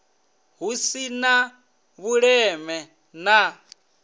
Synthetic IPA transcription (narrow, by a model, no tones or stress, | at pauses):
ɦusina | βuɺɛmɛ | na